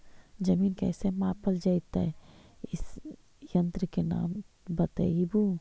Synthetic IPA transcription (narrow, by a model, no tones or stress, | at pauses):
d͡ʒɐmiːnkɛ̰ːsemãːpəld͡ʒait̪aɪs | jɐ̃nt̪ɾəkena̰ːm | bɐt̪ə̰ibuː